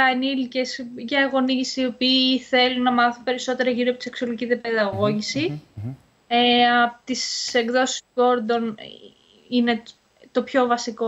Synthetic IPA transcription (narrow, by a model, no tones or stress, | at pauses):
ɐnilice̞sʝɐɐɣo̞nisio̞piːθe̞lunːɐmɐθumpe̞ɾiso̞t̪e̞ɾɐʝiɾioɐpot̪ise̞ksuɐliciðepeðɐɣo̞ʝisi | eɐpot̪ise̞ɡðo̞si̥st̪uɡo̞ɾd̪o̞n | ine̞ | t̪o̞pço̞vɐsiko